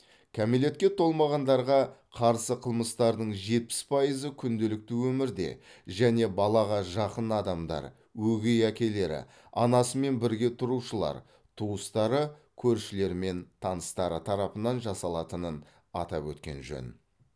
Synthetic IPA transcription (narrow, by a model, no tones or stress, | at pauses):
kʲʰæmile̞t̪̚kʲe̞t̪ʰo̞lˠmɑʁɑnd̪ɑɾʁɑqʰɑɾsəqʰəlˠməst̪ɑɾd̪əɴʒe̞t̪̚pɪ̥spʰɑjəzəkʲʰʏnd̪elɪk̚t̪ɪwɵmɪɾd̪e̞̰ʒæne̞bɑlˠɑʁɑʒɑqənɑd̪ɑmd̪ɑ̰ɾ | wɵɡʲejækʲe̞le̞ɾɪ̰ | ɑ̰nɑsəme̞nbɪɾɡʲe̞t̪ʰʊɾuʃəlˠɑ̰ɾ | t̪ʰuəst̪ɑɾə | kʲʰɵɾʃɪle̞ɾme̞nt̪ʰɑnəst̪ɑɾət̪ʰɑɾɑpənɑnʒɑsɑlˠɑt̪ənən | ɑ̰t̪ɑ̰pwɵt̪kʲe̞̰nʒɵ̰n